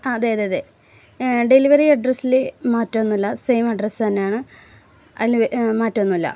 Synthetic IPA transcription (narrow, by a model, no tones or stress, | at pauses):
ɐɐðejɐðeɐðe | ɖe̞liʋɐriɐɖrɐsilemaːtːonːulːɐsejmɐɖresɨt̪ɐnːe̞jaːɳɨ | ɐ̰ilmaːtːonːuilːɐ̰